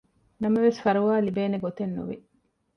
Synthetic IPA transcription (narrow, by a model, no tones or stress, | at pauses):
nɐmɐʋesfɐɾuʋaːlibeːneɡot̪enːṵʋḭ